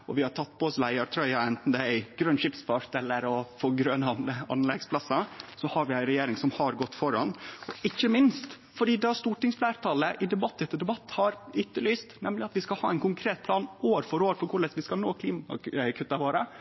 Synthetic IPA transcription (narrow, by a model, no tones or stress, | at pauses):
ɔ̰ʋɪhɑʈʰɑt̪̚ːpʰɔɔslæɪɑɾt̪ʰɾœʏɑɛnt̪n̩d̪ɛæɪɡ̥ɾœnʃɪpsfɑɾt̪ɛlːəɾɔfoːɡɾønɑnɑ̰nlɛɡspʰlɑsɑsɔhɑɾʋɪæɪɾɛjeːɾɪŋsɔmhɑɾɡɔt̪ːfɔɾɑ̰nɔɪçːəmɪnst̪ | fɔɖiːd̪ɛæst̪uːʈɪŋsflæːɾt̪ʰɑːləʔɪd̪ɛbɑt̪ːɛt̪ːəɖɛbɑt̪ːhɑɾʏt̪ːəlyːst̪nɛmlɪɑt̪ʋɪskɑlhɑ̰ːæɪnkʊŋkʰɾeːt̪̚pʰlɑːnoːɾfɔɾoːɾfɔɾkʰʊɭɛsʋɪskɑlnoːkʰliːmɑkʰʉt̪ːɑʋoːɾə